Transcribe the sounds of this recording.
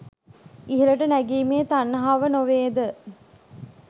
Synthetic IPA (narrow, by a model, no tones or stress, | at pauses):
iɦeləʈənæɡiːmeːt̪anːəɦaːʋənoʋeːd̪ə